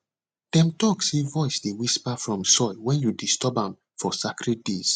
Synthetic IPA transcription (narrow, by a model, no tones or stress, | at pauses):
d̥ɛ̃mtɔksevɔɪsdewispafɹɔ̃msɔɪwɛ̃njudistɔbãm | fɔsakɹid̚des